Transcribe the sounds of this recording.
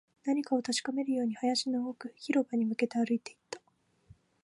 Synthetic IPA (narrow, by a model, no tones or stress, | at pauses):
naɲ̟ikao̞t̪at͡ɕi̥kame̞ɾɯ̟jo̞ːɲ̟ihajaɕinookɯ̟çiɾo̞baɲ̟imɯ̟ke̞t̪e̞aɾɯ̟it̪e̞it̪ːḁ